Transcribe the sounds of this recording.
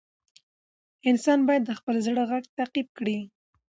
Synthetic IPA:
ɪnsɑnbɑjad̪ːəxpəlzɽəɣaɡt̪aqib̚kɽi

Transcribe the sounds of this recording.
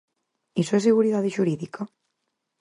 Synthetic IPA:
isoeseɣuɾiðaðeʒuɾiðika

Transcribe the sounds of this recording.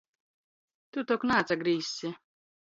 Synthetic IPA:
t̪ut̪ɔknaːt̪saɡɾiːsʲːi

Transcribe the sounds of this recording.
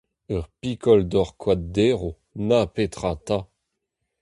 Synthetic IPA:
œʁpikʰɔld̪ɔʁkwad̪̚d̪eːʁo | napet̪χat̪a

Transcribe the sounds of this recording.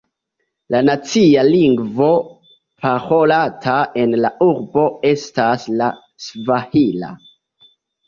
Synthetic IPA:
lanat͡sialiŋɡvo̞ | pʰaho̞latʰae̞nlaʔuɾbo̞e̞stasla | svahila̰

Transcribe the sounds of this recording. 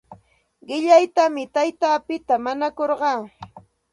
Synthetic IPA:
ɢɪʎajt̪amɪt̪ajt̪aːpɪt̪amaɲakoɾɢɑː

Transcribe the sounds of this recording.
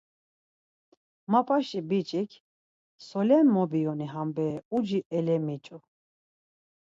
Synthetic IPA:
mapʼaʃibit͡ʃʼikʰ | sɔlɛnmɔbiɔniɦambɛːud͡ʒiʔɛlɛmit͡ʃʼu

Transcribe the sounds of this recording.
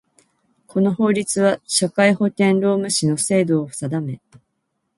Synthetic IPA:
kʰo̞no̞ɦo̞ːɾʲit͡sɨβaɕakaiho̞t̪ẽ̞nɾo̞ːmɯ̟ɕino̞se̞ːd̪o̞ːɸsad̪ame̞

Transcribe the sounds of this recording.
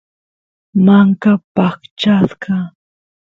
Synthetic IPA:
maŋkapakt͡ʃaskɑ

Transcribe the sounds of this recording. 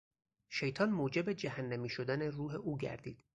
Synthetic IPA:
ʃe̞jt̪ʰɒːnmoːd͡ʒe̞bed͡ʒæhænːæmiːʃod̪æneruːɦe̞ʔuːɟæ̰ɾd̪ḭːd̪̥

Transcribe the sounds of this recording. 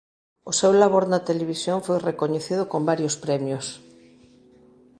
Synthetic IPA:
osewlaβ̞oɾnat̪eleβ̞isjoɱfojrekoɲeθið̞ʊkombaɾjospɾɛmjos

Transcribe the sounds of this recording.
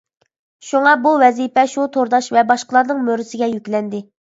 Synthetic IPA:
ʃuŋɑbuwɛzipɛʃut̪ʰoɾd̪ɑʃvɛbɑʃqəlˠɑɾnɨŋmøɾɪsɪɡʲɛjykʲlɛnd̪ɪ

